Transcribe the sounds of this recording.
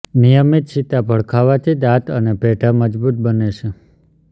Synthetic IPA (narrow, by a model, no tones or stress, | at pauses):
nijəmit̪̚t͡ʃʰit̪abʱəɭkʰaʋat̪ʰid̪at̪ənebʱeʈʰaməd͡ʒbut̪̚bəneʃe